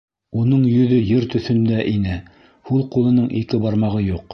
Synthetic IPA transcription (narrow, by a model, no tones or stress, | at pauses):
unɤɴjɵ̆ðɵjɘɾt̪ɵ̆θɵ̆nd̪æʔinɘ | hulˠqulˠɤ̆nɤɴikɘbɑɾmɑʁɤjuq